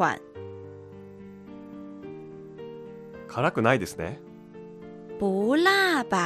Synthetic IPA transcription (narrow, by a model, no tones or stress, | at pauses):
a̰n | kʰaɾakɯ̟naid̪e̞sɨnḛ | b̥olaba